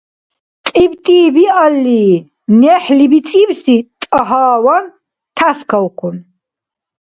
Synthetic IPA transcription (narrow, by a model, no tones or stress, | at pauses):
qʼibt̪ʼiːbialːiː | nɛħlibit̪t͡sʼibsit̪ʼaɦaːwan | t̪ʰaskʰawqʰun